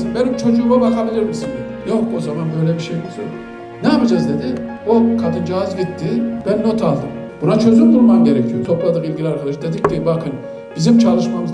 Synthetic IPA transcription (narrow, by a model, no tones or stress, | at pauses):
nbɛnimt͡ʃʰo̞d͡ʒuːmabakʰabilʲiɾmisind̪ed̪ijo̞ko̞zamanbø̞jlʲɛbiʃejmisø̰ | nɛapɯd͡ʒazd̪e̞d̪iokʰad̪ɯnd͡ʒaazɟit̪ːib̥ænːo̞t̪ʰalˠd̪ɯm | b̥unat͡ʃʰø̞zymbulˠmamɟe̞ɾɛcʰijot̪ʰo̞plˠad̪ɯkilʲɟilʲiaɾkʰad̪aʃɯd̪e̞d̪ic̚d̪ibakʰɯn | b̥izimt͡ʃʰalˠɯʃmamɯz